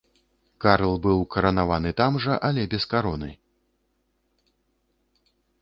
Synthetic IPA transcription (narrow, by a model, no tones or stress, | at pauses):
kaɾlˠbɨwkɐɾɐnavanɨt̪amʐɐʔɐlʲɛbʲɛskaɾɔnɨ̰